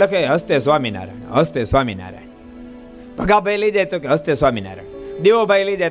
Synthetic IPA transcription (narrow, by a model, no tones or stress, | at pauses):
lɐkeɦɐst̪esʋamina̰ːɾa̰n̰ɦəst̪esʋamina̰ɾa̰n | bʱəɡabʱəjlid͡ʒajt̪okeɦəst̪esʋaːmina̰ːɾa̰nd̪iʋobʱajlid͡ʒa